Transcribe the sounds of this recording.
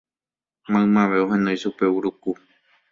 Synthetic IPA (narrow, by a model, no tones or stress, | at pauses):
mãɨ̃mãʋe̞oɦẽ̞nõjʃupe̞uɾuku